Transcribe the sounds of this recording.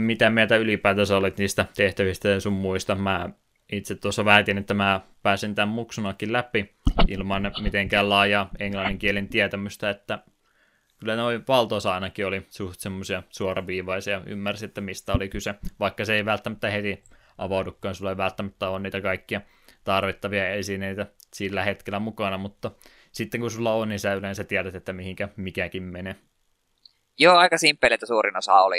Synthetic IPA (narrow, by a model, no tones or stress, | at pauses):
mit̪æmiet̪æylipæːt̪æsæolit̪niːst̪æt̪eht̪æʋist̪æjesummuist̪ɑmæ | it̪set̪t̪uosːɑʋæhæt̪inet̪ːæmæpæːsint̪æmmuksunɑkːillæpiḭlmɑnːmit̪eŋkæːllɑːjɑeŋlɑnːiŋkielint̪iæt̪æmyst̪æet̪ːæ | kylːænoiʋɑlt̪oˑisɑˑinɑkiolisuht̪semːosiɑsuorɑʋiːʋɑisiɑy̰mːærsiet̪ːæmist̪æolikyseʋɑikːɑseeiʋælt̪ːæmæt̪ːæhet̪i | ʔɑ̰ʋɑudukːɑːnsulːɑeiʋælt̪ːæmæt̪ːæoːnniːt̪ækɑikːiɑ | t̪ɑrʋit̪ːɑʋiɑesineit̪æsilːæhet̪kelæmukɑnɑmut̪ːɑ | sit̪ːeŋkusulːɑonninsit̪æylensætt̪iæɾæt̪et̪ːæmihiŋkæmikækimmene | joːɑikɑsimpːeliet̪ːæsuːrinosɑ̰oli